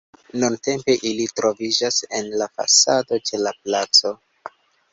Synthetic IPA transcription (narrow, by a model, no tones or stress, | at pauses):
nunte̞mpe̞ʔilitɾo̞vid͡ʒase̞nlafa̰sado̞t͡ʃe̞laplat͡so̞